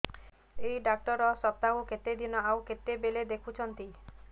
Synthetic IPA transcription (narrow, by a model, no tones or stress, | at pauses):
eiɖak̚ʈɔɾɔsɔt̪akuket̪ed̪ʱinɔawket̪ebeled̪ekʰut͡ʃʰɔnt̪i